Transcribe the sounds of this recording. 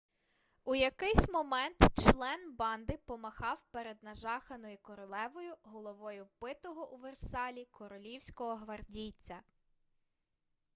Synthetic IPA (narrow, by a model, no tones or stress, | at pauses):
ujɐkɪjsʲmɔmɛnt̪t͡ʃlˠɛnbɑnd̪ɪpɔmɐxɑwpeɾed̪nɐʒɑxɐnɔjikɔɾɔlˠɛʋɔjʊɦɔlˠɔʋɔjʊwpɪt̪ɔɦɔʔuʋersɑlʲikʰɔɾɔlʲiwsʲkɔɦɔɦʋɐrdʲit͡sʲɐ